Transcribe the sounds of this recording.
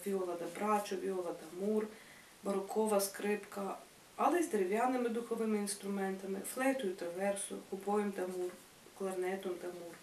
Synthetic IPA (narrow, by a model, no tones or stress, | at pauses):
vʲiolˠad̪abɾat͡ʃɔʋiolˠad̪amuɾ | baɾokʰoʋaskɾɪpka | alˠɪzd̪ɾɪʋjanɪmɪd̪uxoʋɪminst̪ɾumɛnt̪amɪflˠɛt̪ʊjut̪ɾaʋɛɾsʊ̰xubojumd̪amuɾ | klˠaɾnɛt̪omd̪amuːɾ